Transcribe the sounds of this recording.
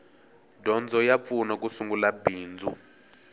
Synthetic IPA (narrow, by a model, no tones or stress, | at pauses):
dʱɔnd͡zʱɔjap̪funak̬ʼusuŋɡulabiːnd͡zʱṵ